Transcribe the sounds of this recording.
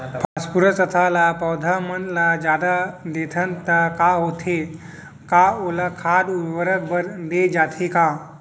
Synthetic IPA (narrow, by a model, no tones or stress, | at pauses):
pʰaspuɾəsət̪ʰalapɔwd̪ʱamənlad͡ʒaːd̪ad̪et̪ʰənt̪akaɦoːt̪ʰe | kaolakʰaːd̪uʋəɾək̚bəɾd̪ed͡ʒaːt̪ʰekaː